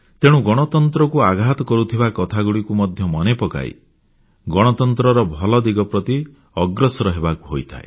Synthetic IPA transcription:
t̪eɽ̃ũɡɔɽ̃ɔt̪ɔnt̪ɾɔkuaɡʱat̪ɔkɔɾut̪ʰibakɔt̪ʰaɡuɽikumɔd̪ʱjɔmɔnepɔka̰j̰ | ɡɔɽ̃ɔt̪ɔnt̪ɾɔɾɔbʱɔlɔd̪iɡɔpɾɔt̪i | ɔɡɾɔsɔɾɔɦebaku̥ɦojt̪ʰa̰e

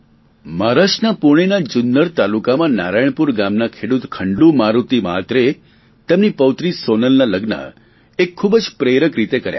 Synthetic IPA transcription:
maɾaʃnapuɳ̃enad͡ʒʊnːəɾt̪alukamãna̰ɾajɳ̃puɾɡamnakʰeɽut̪kʰəɳɖumaɾut̪ima̰t̪ɾe | t̪emnipəwt̪ɾisonəlnaləɡnə̰ | ekʰːubəd͡ʒpɾeɾəkɾit̪ekəɾja̰

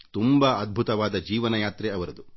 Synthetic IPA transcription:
t̪umbaːɐd̪̚bʱut̪ɐʋaːd̪ɐd͡ʒiːʋɐnɐjaːt̪ɾeɐʋɐɾɐd̪u

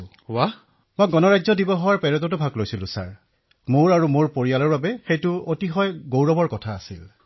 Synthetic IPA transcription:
wa | mɔjɡɔnɔɹajzɔdibɔɦɔwaɹpɛɹɔtɔtubʱaɡlojsilʊ̃sa̰ɹ | moɹaɹumoɹpoɹijalɔɹbabɛxejtʊotixɔjɡowɹɔbɔɹkɔtʰaːsḭl

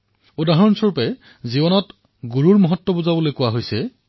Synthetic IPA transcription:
odaɦɔnsɔɹpɛ | zibɔnɔt | ɡuɹuɹmɔɦɔtːɔbozabolojkʊwaɦojsɛ

